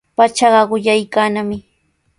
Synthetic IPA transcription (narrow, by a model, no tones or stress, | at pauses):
pat͡ʃɑɢɑɢʊʎajkaːnamɪ